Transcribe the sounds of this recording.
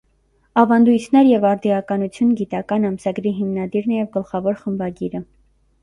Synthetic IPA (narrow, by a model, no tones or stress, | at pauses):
ɑvɑnd̪ujt̪ʰnɛɾjɛvɑɾd̪iɑkɑnut͡sʰjunɡit̪ɑkɑnɑmsɑɡɾiɦimnɑd̪iɾnɛjɛvɡəlχɑvɔɾχəmbɑɡiɾə